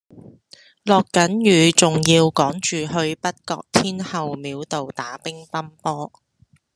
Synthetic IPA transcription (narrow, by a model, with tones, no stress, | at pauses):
lɔː˨kːɐ˨˥njyː˨˧t͡sʊ˨ŋjiː˧wkɔː˨˥ŋt͡ʃyː˨˩hɵ˧ɥpɐ˥t̚kɔ̰ː˧k̚t̪ʰiː˥nhɐ˨wmiː˨˧wt̪o˨wt̪aː˨˥pɪ˥ŋt̪ɐ˥mpɔː˥